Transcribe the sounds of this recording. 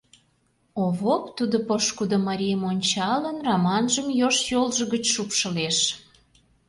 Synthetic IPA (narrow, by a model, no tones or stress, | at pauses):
oβokt̪ud̪opoʃkud̪omɑɾʲijəmonʲt͡ɕɑlənrɑmɑnʒəmjoʃjolʒə̆ɣət͡ɕʃupʃə̆leʃ